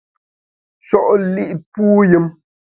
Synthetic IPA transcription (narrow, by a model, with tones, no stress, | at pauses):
ʃɔ˦˨ʔli˦ʔpuː˦ji˦m